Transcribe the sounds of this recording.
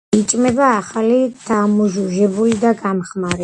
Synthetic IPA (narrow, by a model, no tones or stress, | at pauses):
it͡ʃʼmɛbaːχalit̪ʰamuʒuʒɛbulid̪aɡamχmaɾɛ